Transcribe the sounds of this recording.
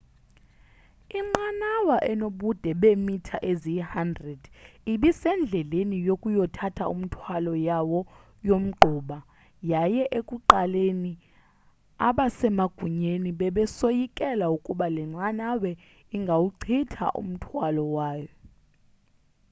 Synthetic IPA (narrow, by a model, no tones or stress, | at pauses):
iŋ͡ǀanawaʔɛnoɓud̥ʱɛɓemitʰaʔezihandrɛd̥iɓisɛnd͡ɮʱɛlenijokʼujɔtʰatʰaum̩tʰwalɔjawɔ | jom̩ɡ͡ǃʱuːɓa | jajɛʔekʼuǃaleni | a̰ɓasɛmaɡ̥ʱuɲeniɓɛɓɛsojikʼɛlaukʼuɓalɛŋ͡ǀanawɛ | iŋɡʱawuǀʰitʰa̰ʔṵm̩tʰwalɔwaːjɔ